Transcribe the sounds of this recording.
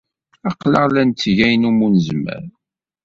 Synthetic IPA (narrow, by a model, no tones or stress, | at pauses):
ɑqləʁlænt̪ːʝæjnumunəzmæ̰ɾ